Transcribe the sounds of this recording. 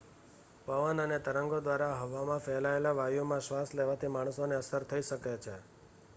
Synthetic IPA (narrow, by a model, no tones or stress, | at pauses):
pəʋənənet̪əɾəŋɡod̪ʋaɾaɦəʋamãfɛɦlaelaʋajomãʃʋasleʋat̪ʰimaɳ̃soneəsəɾt̪ʰəiʃəket͡ʃʰe